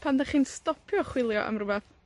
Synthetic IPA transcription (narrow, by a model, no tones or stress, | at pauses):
pʰandɛχiːnstɔpʰjɔχwɪlˠjɔ̰ʔə̰mrʊbɛθ